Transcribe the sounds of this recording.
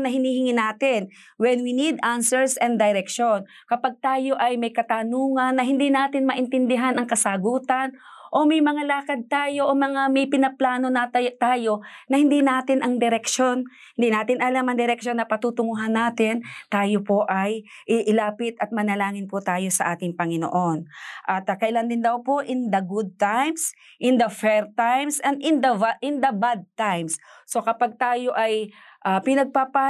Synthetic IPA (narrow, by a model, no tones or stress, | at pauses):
nɐɦɪniːhɪŋɪnaːt̪ɪn | wɛnwinid̪ansɛɹsɛnd̪ɐjɾɛkʃon | kɐpaɡ̚t̪aːjo̞ʔɐjmɐjkɐt̪anuːŋɐnːɐɦɪnd̪inaːt̪ɪnmɐʔɪnt̪ɪnd̪ɪɦanɐŋkɐsaɡuːt̪ɐnʔo̞mɐjmɐŋalaːkɐd̪̚t̪aːjo̞ʔomɐŋamɐjpɪnɐplaːno̞nɐt̪aːjo̞nɐhɪnd̪inaːt̪ɪnʔɐŋd̪ɛɾɛkʃon | hɪnd̪inaːt̪ɪnɐlamɐŋd̪ɛɾɛkʃo̞nːɐpɐt̪ut̪ʊŋuɦɐnːaːt̪ɪnt̪aːjopo̞ʔɐj | ʔɪʔɪlaːpɪt̪ɐt̪̚mɐnɐlaːŋɪnpʊt̪aːjo̞sɐʔaːt̪ɪŋpɐŋɪno̰ʔo̞nʔɐt̪kɐʔɪland̪ɪnd̪ɐwpo̞ʔɪnd̪ɐɡʊd̪̚t̪ajms | ʔɪnd̪ɐfɛɹt̪ajmsɛnd̪ɪnd̪ɐaʔɪnd̪ɐbad̪̚t̪ajmsso̞kɐpaɡ̚t̪aːjo̞ʔɐjʔapɪnɐɡ̚papa